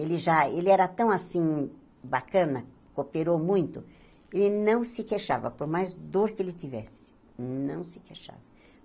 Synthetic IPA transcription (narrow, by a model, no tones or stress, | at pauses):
elɪʒaelɪɛɾɐt̪ɐ̃w̃asĩ | bakɐ̃nɐ | kopeɾowmũj̃t̪ʊ | elɪnɐ̃w̃sɪkeʃa̰vɐ̰poɾmajzd̪oɾkɪelɪt̪ivɛsɪ̥ | nɐ̃w̃sɪ̥keʃa̰vɐ